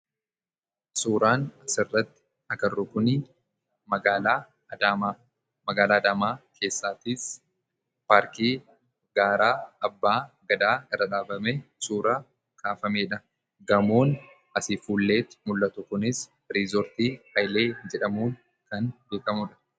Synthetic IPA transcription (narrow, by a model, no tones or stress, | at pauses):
suːɾaːnɐsɪrːɐt̪ːɪ̥ | ɐkɐrʊkʊni | mɐɡaːlː | daa | mɐɡaːlaːd̪aːmaːkʰe̞ːsːaːt̪ɪs | paːɾkiː | ɡaːɾaːɐbːaːɡɐd̪aːɪrːɐᶑaːbɐmɛsuːɾaː | kʼaːfɐmeːᶑɐ | ɡɐmoːn | ɐsɪfuːlːe̞ːt̪ɪ̥mʊlːɐt̪ʊkʊnɪs | ɾizɔɾt̪iːhɐjle̞ːd͡ʒɛᶑɐmuːn | kɐnbe̞ːkɐmʊᶑɐ̥